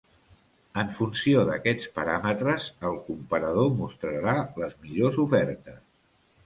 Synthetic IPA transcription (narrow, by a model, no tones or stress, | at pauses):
əɱfunsioðə̰kɛt͡spəɾamət̪ɾəzəlˠkumpəɾəð̞omust̪ɾəɾaləzmiʎozufɛɾt̪əs